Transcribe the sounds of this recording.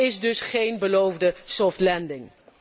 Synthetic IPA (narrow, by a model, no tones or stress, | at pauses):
ɪsdɵsχejnbəlowvdəsɔftlɛndɪŋ